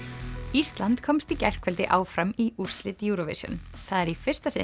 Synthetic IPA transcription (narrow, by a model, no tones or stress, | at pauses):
ist̪lant̪kʰɔmst̪icɛr̥kvɛlt̪ɪʔaːwfɾamiur̥st̪lɪt̪juːɾɔvɪ̰sjʏ̰nθaðɛɾifɪr̥st̪asɪ